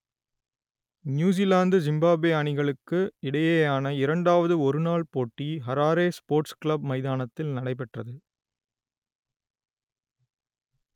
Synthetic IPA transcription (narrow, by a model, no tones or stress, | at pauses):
njuːs̬ilaːnd̪zɪmbaːbeːɐɳɪɣɐɭɯkːɯɪɽɐjeːjaːnɐɪɾɐɳɖaːʋɐðɯɔɾɯnaːɭpoːʈːiɦɐɾaːɾeːspoːɾʈskɭɐb̚mɐɪðaːnɐt̪ːɪlnɐɽɐɪpɛʈrɐðɯ